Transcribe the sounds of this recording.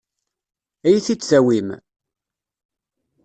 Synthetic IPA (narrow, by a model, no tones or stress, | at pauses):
æjiθit͡sːθæwim